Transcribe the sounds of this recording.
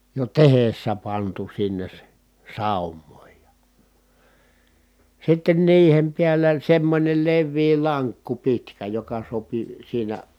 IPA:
jo tehesːæ pɑntu sinːes s sɑˑumˑoˑij jɑ sitːen niːhem piælːæ semːonʲel leʋːiː lɑŋkːu pitkæ jokɑ sopi siːnæ

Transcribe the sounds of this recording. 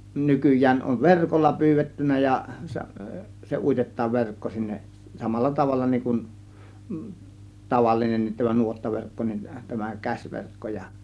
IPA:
nykyjˑæːn on ʋerkolːɑ pyːʋetːynːæ jɑ se uitetˑɑːʋ ʋerkːo sinːeʔ sɑmɑlːɑ tɑʋɑlːɑ niŋ kun tɑʋɑlːinenːit tæmæ nuotːɑʋerkːo nin tæmæ kæsʲʋerkːo jɑ

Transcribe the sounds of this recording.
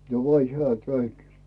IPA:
jo olʲ heæˑ kæynt

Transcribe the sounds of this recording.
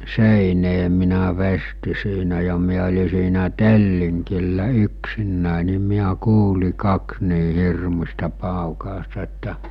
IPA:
seˑineː minæ ʋesti siːnæ jɑ miæ olʲi siːnæ telːiŋkilːæ yksinːæˑe ni miæ kuːli kɑks niː hirmusʲtɑ pɑˑukɑˑostɑ etːæ

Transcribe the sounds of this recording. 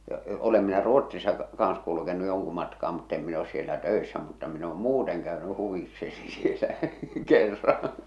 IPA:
jɑ olem minæ ruotˑsisɑ kɑːɑ̃s kulukenu joŋku mɑtkɑː mutː em min os sielæ tøˑesːæ mutːɑ min oːm muːteŋ kæøny huʋikseni sielæ kerːɑ̃ː

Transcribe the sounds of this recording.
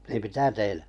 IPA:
niːm mitæ tein

